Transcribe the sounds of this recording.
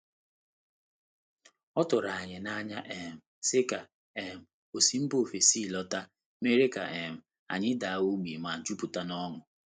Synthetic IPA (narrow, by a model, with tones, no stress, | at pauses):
ɔ˦tʊ˨ɾa˨a˨ɲɪ˨na˦ɲa˦ʔe˨m̩˨sɪ˦ka˨ | e˨m̩˨ | o˨si˨m̩˦bo˦˨fe˨si˦˨lɔ˦ta˦ | me˦ɾe˦ka˨ʔe˨m̩˨ | a̰˨ɲɪ˦da˨a˦o˦ɡ͡bi˨ma˨d͡ʒu˦pu˨ta˦nɔ˦ŋʊ˨